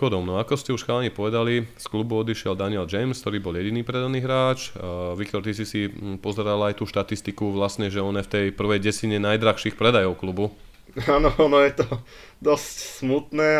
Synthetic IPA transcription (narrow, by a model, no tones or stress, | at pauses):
ɔd̪ɔmnɔakɔscɛuʃxaːlaɲiɛpɔʋɛd̪alisklubuɔd̪iʃɪɛld̪aniɛld͡ʒɛjmskt̪ɔɾiːbɔljɛɟiniːpɾɛd̪aniːɦɾaːt͡ʃʋikt̪ɔɾt̪isisipɔzɛɾalajt̪uːʃt̪at̪ist̪ikuʋlasɲɛʒɛɔnɛft̪ɛjpr̩ʋɛjɟɛsiɲɛnajd̪ɾaxʃixpɾɛd̪ajɔʊklubu | aːnɔɔnɔjɛt̪ɔ | d̪ɔscsmut̪nɛː